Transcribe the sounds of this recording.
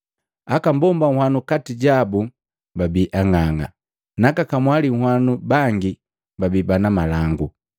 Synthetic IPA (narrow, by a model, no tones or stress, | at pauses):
akambɔmbaŋ̩hwanukatiɟabu | babiʔaŋaŋa̰ | nakakamwaliŋ̩hwanubaŋɡi | babibanamalaŋɡu